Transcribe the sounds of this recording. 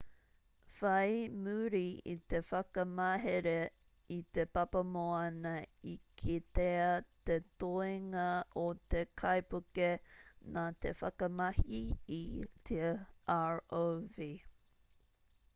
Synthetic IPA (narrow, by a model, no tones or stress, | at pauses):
fɐjmʉɾiḭt̪efɐkɐmɐɦeɾe | it̪epɐpɐmoɐnɐikʰit̪eɐt̪et̪oeŋɐot̪ekʰɐjpukenat̪efɐkɐmɐhiit̪ʰeaɹovi